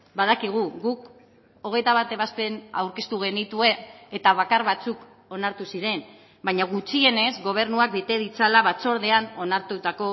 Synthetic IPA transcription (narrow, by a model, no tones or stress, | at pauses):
baðakiɣ̞uɣuk | o̞ɣ̞e̞jt̪aβ̞at̪e̞βaspe̞na̰wɾke̞st̪uɣ̞e̞nit̪ue̞ːt̪aβakaɾβat͡suk | o̞naɾt̪usiɾe̞n | bajɲaɣ̞ut͡ʃie̞ne̞zɣo̞β̞e̞ɾnuak̚bet̪e̞ðit͡salaβat͡so̞ɾðe̞ano̞naɾt̪ut̪ako̞